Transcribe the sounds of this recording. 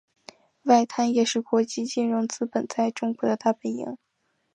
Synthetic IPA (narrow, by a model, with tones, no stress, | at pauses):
wa˥˩ɪt̪ʰa˥njɛ˨˩ʂɻ̩˥˩kwɔ˧˥t͡ɕi˥t͡ɕi˥˧nɻʊ˧˥ŋt͡sɹ̩˥pə˨˩nt͡sʰa˥ɪʈ͡ʂʊ˥ŋkwɔ˧˥d̪ə˧t̪a˥˩pə˨˩njḭ˧˥˦ŋ